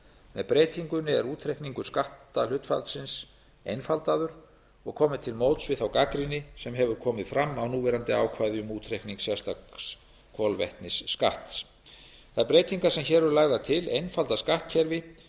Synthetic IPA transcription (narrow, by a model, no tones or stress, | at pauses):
mɛðpɾeːjt̪ʰiŋkʏnːɪɛ̰ɾuːt̪ʰɾehkniŋkʏ̥skaht̪alʏt̪fa̰lt̪sɪns | ejnfalt̪aðʏɾ | ɔɣkʰɔːmɪt̪ʰɪlmoːwt̪svɪθawkakɾinɪsɛmɦɛvʏɾ̥kʰɔːmɪðfɾamːawnuːvɛɾant̪ɪaːwkʰvaːjðjʏmuːt̪ʰɾehkniŋksjɛst̪as | kʰɔlvɛ̰ht̪nɪsːka̰ht̪s | θaðɾpɾeːjt̪iŋkasɛmçɛːɾvʏɾlaːɣðat̪ʰɪlḛjnfalt̪askaht̪̚cʰɛɾvɪ